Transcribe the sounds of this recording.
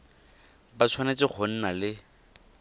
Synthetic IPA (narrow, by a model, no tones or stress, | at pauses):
bat͡sʰwanet͡sɪk͡xʰʊn̩nalɪ